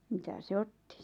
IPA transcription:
mitæ se otːi

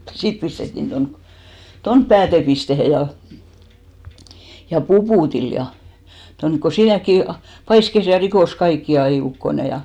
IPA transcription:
sit pistetːin ton tonp pæːtepistehe jɑ jɑ pupuˑtil jɑ tonk ko siːnækːi pɑiskes jɑ rikoˑs kɑikːi ɑi ukːone jɑ

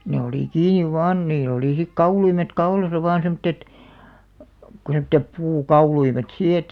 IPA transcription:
ne oliˑ kiːniʋ ʋɑːn niːlˑ oliˑ sik kɑuluimet kɑulɑsɑ ʋɑːn semŏtːet ku semtːep puːkɑuluimet siː et

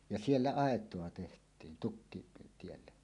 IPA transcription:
jɑ sielːæ ɑˑetˑoɑ tehtˑiːn tukːitielːe

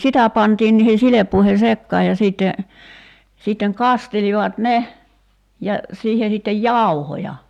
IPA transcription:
sitæ pɑntiːn niːhe silepːuihe sekːɑːj jɑ siːtːe siˑtːeŋ kɑsteliʋɑt ne jɑ siːhe sitːej jɑˑuhojɑ

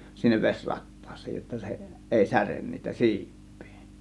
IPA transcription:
sinːeʋ ʋesʲ rɑtːɑːsˑe̥j̊ jotːɑ se ʔeˑi særen niːtæ siːpˑi̥ː

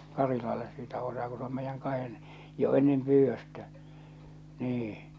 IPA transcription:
kɑrilɑlːes siːtæ osɑː ku s om meijːæŋ kɑhen jo enːem pyːʋːøstæ niː

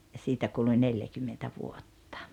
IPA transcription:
jɑ siːtæ kuluĭ neljækymːentæ ʋuotːɑ

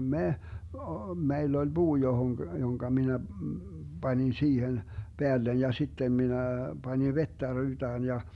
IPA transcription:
me o meilː olʲ buː johoŋɡ̊ joŋkɑ minæ bɑnin siːhen b̥eælːen jɑ sitːem minæ b̥ɑnʲiʋ ʋetːæ ryːtæːn jɑ

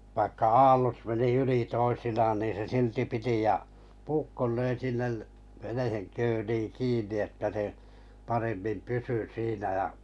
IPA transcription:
ʋɑikːɑ ɑːlːot meni yli toisinɑːn niːn se silti piti j̆ɑ puːkːol løi sinːel ʋeneheŋ køːliːŋ kiːnːi etːæ se pɑremːim pysy siːnæ j̆ɑ

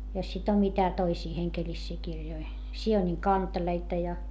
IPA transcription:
jos sit om mitæ toisiː heŋkelisːiː kirjoi sioniŋ kɑnteleitɑ jɑ

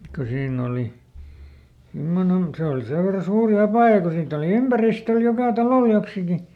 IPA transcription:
ko siːnː oli simːonen se oli seʋ ʋerːɑ suːri ɑpɑˑjɑ ko siːtː oli ympæristøl jokɑˑ tɑloˑl joksiki

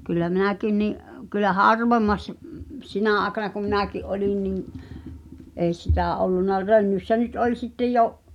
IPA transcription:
kylːæ minækin niʔ kylːæ hɑrʋemːɑs m̆ m̆p sinæˑ ɑːĕkɑnɑ kum̆ minækiʔ ʔolin niŋ eˑi sitæˑ olːunːɑ rønːysːæ nyt olʲ sitːj joʔ

